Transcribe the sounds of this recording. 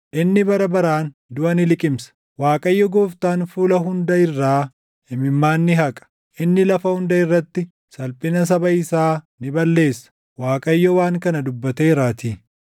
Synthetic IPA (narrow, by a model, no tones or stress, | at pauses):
ʔɪnːɪbɐɾɐbɐɾaːn | d̪ʊʔɐnɪlɪkʼɪmsɐ̥ | waːkʼɐjːɔɡoːft̪aːnfuːlɐɦʊnd̪ɐɪrːaː | ɪmɪmːaːnːɪɦɐkʼɐ̥ | ʔɪnːɪlɐfɐhʊnd̪ɐɪrːɐt̪ːɪ | sɐlpʼɪnɐs̬ɐbɐɪsaː | nɪbɐlːe̞ːsːɐ̥ | waːkʼɐjːɔwaːŋkɐnɐd̪ʊbːɐt̪eːɾaːt̪iː